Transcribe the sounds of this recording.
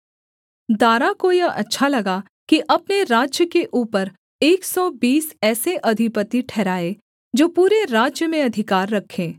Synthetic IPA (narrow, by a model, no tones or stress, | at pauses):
d̪aːɾakoiɐɐ̰tːʃʰalɐɡa | kiʔɐp̚neɾaːd͡ʒjəkeʔuːpəɾ | eːksɔbiːsɛːseʔɐd̪ʱɪpət̪iʈʰɛːɾaːe | d͡ʒoːpuːɾeɾaːd͡ʒjəmẽɐd̪ʱɪkaːɾːɐkʰːẽː